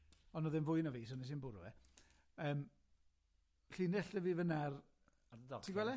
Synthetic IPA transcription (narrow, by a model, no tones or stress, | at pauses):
ɔnɔðɪnvʊjnɔviːs̬ɔnɛs̬inbʊɾṵɛ | əːm | ɬiːnɛɬəvivənar | dədɔtʰiɡwɛlˠɛ